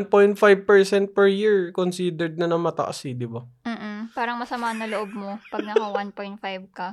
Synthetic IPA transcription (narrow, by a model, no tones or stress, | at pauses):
npojnt̪̚fajb̚pɛɹsɛnt̪̚pɛɹjiɹkonsiːd̪ɛɹd̪̚nɐnɐŋmɐt̪ɐ̰ʔɐ̰sɪd̪ɪbam̩ːʔpaːɾɐŋmɐsɐmaːnːɐloʔob̚mopɐɡ̚nɐkɐwanpojnt̪̚fajbkɐ